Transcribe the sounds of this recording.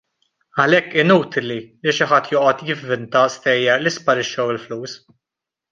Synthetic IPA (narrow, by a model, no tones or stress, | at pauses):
ɐlɛkːɪnuːt̪ɪliliʃɪħɐt̪ːjɔːʔɔt̪jɪvːɪnt̪ɐst̪ɛjːɐɾlispɐɾɪʃːɐwɪlfluːs